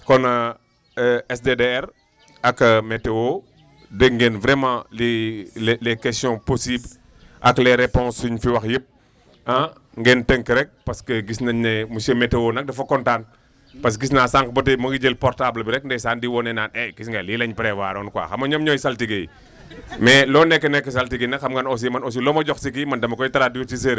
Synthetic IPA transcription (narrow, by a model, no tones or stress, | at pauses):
kɔnɐ | ɛsdedeɛɾ | ɐkːɐmɛtːewo | dəŋɡɛnvɾɛmãli | lɛkɛstjɔ̃posibl | ʔɐklɛɾɛpɔ̃nsuɲfiwɐxjəp̚ | ã | ŋɡɛntəŋkəɾɛk̚pɐskəɡisnɐnɛmusəmɛtːəwoːnɐk̚dɐfɐkɔntaːn | pɐs̬ɡis̬naːsaŋkbɐtəmɐɡiɟəlpɔɾtablbiɾɛk̚ndɛsaːndiwɔnɛnaːnɛɡisŋɡɐlilɐɲpɾɛwaːɾɔːnkwa̰ːxɐmɐɲɔmɲɔjsɐltiɡej | mɛlɔːnɛkːənɛkːəs̬altiɡinɐxɐmɡɐnɔs̬imɐnɔs̬ilɔːmɐɟɔxsik̬imɐndɐmɐkɔjtɐɾaːdijutis̬eɾ